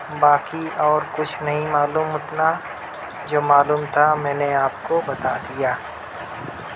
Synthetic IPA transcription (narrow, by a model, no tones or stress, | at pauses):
baːkiɔːɾkʊt͡ʃʰnɐɦĩmaːluːmɦʊt̪na | d͡ʒoːmaːluːmt̪ʰamɛ̃ːneaːp̚kobɐt̪ad̪ijaː